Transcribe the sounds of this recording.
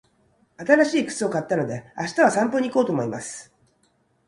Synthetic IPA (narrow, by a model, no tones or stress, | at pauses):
at̪aɾaɕiːkɯ̥t͡sɨo̞kat̪ːano̞d̪e̞aɕi̥t̪aβasãmpoɲ̟iko̞ːt̪omo̞imasɨ̥